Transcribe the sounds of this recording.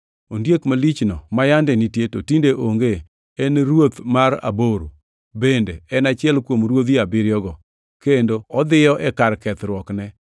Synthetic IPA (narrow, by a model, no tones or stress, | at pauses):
ondjekmalit͡ʃnɔmajandɛnitjetotindeʔoŋɡeː | nɾwot̪maɾa̰boɾo̰ | bendeɛnat͡ʃɪɛlkwomɾwod̪iabɪɾɪjɔɡɔ | kendoɔd̪ɪjɔʔɛkaɾkɛt̪ɾwɔknɛ